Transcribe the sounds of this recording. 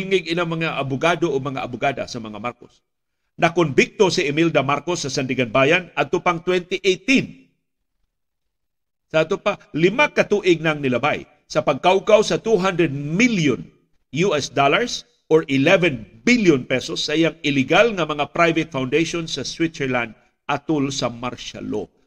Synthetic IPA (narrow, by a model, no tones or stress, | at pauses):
ŋɪɡɪlaŋmɐŋaʔɐbʊɡaːd̪oʔoɡ̚mɐŋa̰ʔɐbʊɡaːd̪ɐ̰sɐmɐŋamaɾkos | nɐkonbɪk̚t̪osɪʔɛmild̪amaɾkosːɐsɐnd̪ɪɡɐnbaːjanɐd̪̚t̪ʊpaŋt̪wɛnt̪ɪʔejt̪in | sɐʔad̪̚t̪opalɪmakɐt̪uːʔɪɡ̚nɐŋnɪlɐbaj | sɐpɐɡ̚kawkawsɐt̪uɦand̪ɾɛd̪̚miljon | juʔɛsd̪olaɹs | ʔoɹʔɪlɛvɛnbɪljonpɛsosːɐʔɪjaŋɪlɪɡalŋɐmɐŋapɾajvɪt̪̚fawnd̪ejʃonsɐswɪt̪sɛɹland̪̚ | ʔɐt̪ʊlsɐmaɾʃa̰lo̰